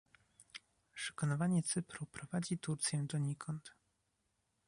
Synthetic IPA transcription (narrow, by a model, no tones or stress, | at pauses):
ʂɛ̥kɔnɔvaɲɛt̪sɘpɾupɾɔvad͡ʑit̪uɾt̪sʲjɛ̃d̪ɔɲikʰɔnt̪